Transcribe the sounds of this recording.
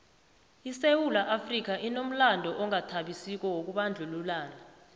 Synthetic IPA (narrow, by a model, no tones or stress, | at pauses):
isewulaʔafrik̬aʔinom̩landʱɔʔɔŋatʰaɓisik̬ɔwok̬uɓand͡ɮʱululaːna